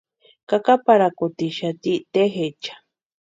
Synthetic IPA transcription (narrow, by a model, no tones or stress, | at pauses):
kakapaɾakut̪iʃat̪it̪eɦet͡ʃʰḁ